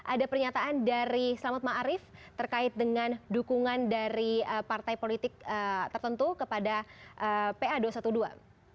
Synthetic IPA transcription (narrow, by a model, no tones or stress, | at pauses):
ʔadapərɲat̪aʔandaɾislamat̪̚maʔɾɪft̪ərkaɪt̪̚dəŋandukuŋandaɾiəpart̪ajpolit̪ɪk̚ət̪ərt̪ənt̪ukəpadaʔəpeaduasat̪udua̰